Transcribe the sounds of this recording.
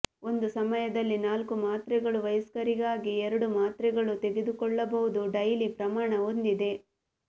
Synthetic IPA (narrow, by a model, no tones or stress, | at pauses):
o̞nd̪usɐmɐjɐd̪ɐlːinaːlkumaːt̪ɾɛɡɐɭuʋɐjɐskɐɾiɡaːɡiɛɾɐɽumaːt̪ɾɛɡɐɭut̪eɡe̞d̪ukɔɭːɐbɐʋud̪uɖɐjlipɾɐmaːɳɐond̪id̪e̞